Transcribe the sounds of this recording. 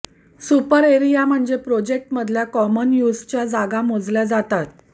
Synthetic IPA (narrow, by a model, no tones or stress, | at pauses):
supəɾeɾijam̤əɳd͡zepɾod͡ʑek̚ʈməd̪ʱljakɔmənjud͡zt͡ɕjad͡zaɡamod͡zljad͡zat̪at̪